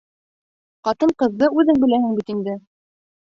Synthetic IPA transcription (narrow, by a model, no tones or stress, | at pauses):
qɑt̪ɤɴqɤ̆ðːɤʉðɘŋbɘ̆læhɘŋbit̪ind̪ɘ